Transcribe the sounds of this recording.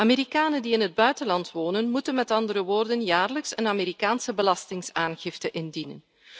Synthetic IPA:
ameːɾikaːnəndiɪnɦəd̚bœɥtənlɑntʋoːnənmutənmɛtɑndəɾəʋoːrdənjaːrləksənameːɾikaːnsəbəlɑstɪŋsaːnɣɪftəʔɪndinə̰n

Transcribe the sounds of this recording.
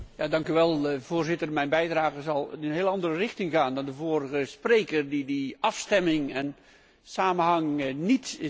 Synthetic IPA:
jaːdɑŋkyʋɛlˠvʊːrzɪtərmɛjnbɛjdraːɣəzɑlˠɪnənɦɪːlˠɑndərərɪχtɪŋɣaːndɑndəvoːrəɣəsprejkərdidiʔɑfstɛmɪŋɛn | saːmənɦɑŋnit

